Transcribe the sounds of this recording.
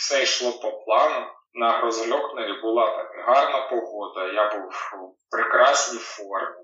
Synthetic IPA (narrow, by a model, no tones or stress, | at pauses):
sɛjʃlˠɔpɔplˠɑnʊ | nɐɾɔzlʲɔknɐɾʲibʊlˠɑt̪ɐnɦɑrnɐpɔɦɔd̪ɐjabuwpɾɪkɾɑsʲnʲijfɔrmʲɪ